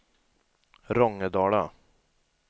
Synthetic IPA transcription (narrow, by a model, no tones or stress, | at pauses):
ɾɔŋəd̪ɑːɭɑ